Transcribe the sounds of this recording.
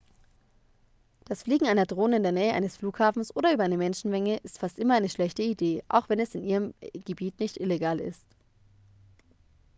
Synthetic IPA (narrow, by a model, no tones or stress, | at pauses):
d̥asfliːɡŋ̩aɪnɐdʁoːnəɪndeːɐnɛːəʔa̰ɪnəsfluːkhaːfn̩sʔoːɾɐʔyːbɐaɪnəmɛnʃn̩mɛŋəʔɪstfastʔɪmɐaɪnəʃlɛçtəideːʔa̰ʊxv̥ɛnɛsɪnʔiːʁəmɡ̥əbiːtnɪçtʔɪleɡaːlɪ̰st